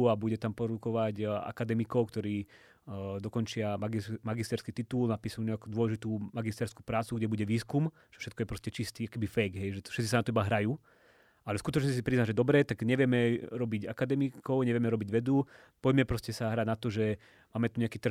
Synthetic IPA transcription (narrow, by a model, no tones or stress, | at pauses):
abuɟɛt̪ampɔɾd̪ukɔʋaɟa̰kad̪ɛmikɔʊkt̪ɔɾiː | d̪ɔkɔnt͡ʃɪamaɡimaɡist̪ɛɾskiːt̪it̪uːlnapiːsaluɲɛakud̪ʋɔlɛʒit̪uːmaɡist̪ɛɾsku̥pɾaːt͡suɡɟɛbuɟɛʋiːskum | t͡ʃɛ̥ʃɛt̪kɔjɛpɾɔscɛt͡ʃist̪iːakɛbifɛjɡɦɛjʒɛfʃɛt̪t͡sisanat̪ɔibaɦɾajuː | alɛskut̪ɔt͡ʃɲɛis̬ipɾiznaʒɛd̪ɔbɾɛt̪aɡɲɛʋɪɛmɛɾɔbiɟakad̪ɛmikɔʊɲɛʋɪɛmɛɾɔbiɟʋɛd̪u | pɔɟmɛpɾɔscɛsaɦɾaɟnat̪ɔʒɛ | maːmɛt̪uɲɛakiːt̪r̩